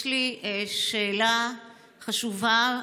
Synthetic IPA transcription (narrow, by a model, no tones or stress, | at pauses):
liʃeːla | χaʃuva